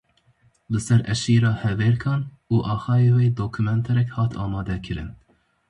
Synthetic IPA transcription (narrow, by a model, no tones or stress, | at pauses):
bɨsɛɾɛʃiːɾɑːhɛveːɾkʰɑːn | uːʔɑːxɑːjeːweːd̪oːkʰumɛnt̪ʰɛɾɛkhɑːt̪ʰɑːmɑːd̪ɛkʰɨɾɨ̰n